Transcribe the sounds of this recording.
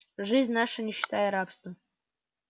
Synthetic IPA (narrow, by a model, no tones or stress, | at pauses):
ʐɨzʲnʲnaʂɐnʲɪɕːi̥t̪ʰajɐɾapst̪əm